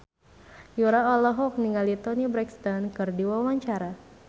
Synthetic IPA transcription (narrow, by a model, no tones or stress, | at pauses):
juɾaɔlɔɦɔk̚niŋalit̪ɔnibɾɛkst̪ɔnkɨrdiwawaɲt͡ʃaɾa